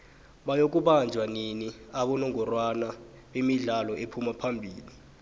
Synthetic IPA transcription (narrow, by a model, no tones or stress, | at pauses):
ɓajok̬ʼuɓand͡ʒʱwaniniaɓɔnɔŋʱɔrwana | ɓemiɮalɔʔepʰumapʰambʱiːli